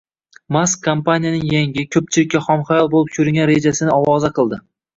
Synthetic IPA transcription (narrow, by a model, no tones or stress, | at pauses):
maskʰːompanijanɪŋjaŋɪkʲʰɵp̚t͡ʃʰɪlɪkʲːaχɒmχajɒlˠbolˠɪp̚kʲʰɵɾɪŋɡʲanɾe̞d͡ʒasɪnɪɒwɒzaqʰɨlˠd̪ɪ